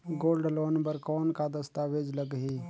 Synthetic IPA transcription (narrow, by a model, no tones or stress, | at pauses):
ɡoːlɖloːnbəɾkɔːnkad̪əst̪aːʋeːd͡ʒləɡɦiː